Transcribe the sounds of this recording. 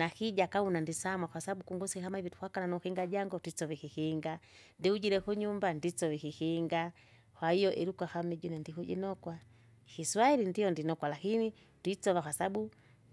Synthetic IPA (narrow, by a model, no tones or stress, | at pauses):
nahiɟakaunandisamwaxwasaabukuŋɡusihamaivitu̥hwakananuhiŋɡaɟaŋɡɔtit͡sɔvihihiŋɡa | ndiuɟiɾɛkuɲumbandit͡sɔvikihiŋɡa | hwaijɔʔiɾukwahamiɟunɛndikuɟɛ̰nɔkwa | hiswailindijɔndinɔkwalakini | twit͡sɔvaxwasabu